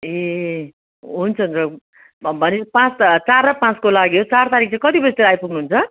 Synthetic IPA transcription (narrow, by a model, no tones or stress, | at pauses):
e | ɦunt͡sʰʌnd͡zʌ | bʱʌnepãt͡s̪t͡sarːapãt͡skolaɡjot͡sart̪aɾik̚ʰt͡sãkʌt̪ibest̪eɾajpuɡnuɦunt͡sʰʌ